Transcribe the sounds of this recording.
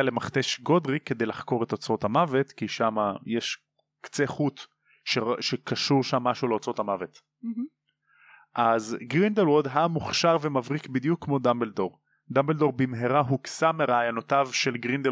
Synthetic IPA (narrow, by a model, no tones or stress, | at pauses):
alemaχt̪eʃɡo̞d̪ʁikːed̪ejlaχko̞ʁet̪o̞t͡so̞thamavet̪kiʃamajeʃ | kt͡seχut̪ | ʃeʃekaʃuʁʃamːaʃuleot͡sot̪hamavet | ʔazɡʁind̪elwod̪ɦamuχʃaʁvemavʁikbid̪jukʰːmo̞d̪ambeldo̞ʁ | d̪ambeld̪o̞ʁbimɦeʁaɦuksameʁeajanot̪avʃe̞lɡʁind̪e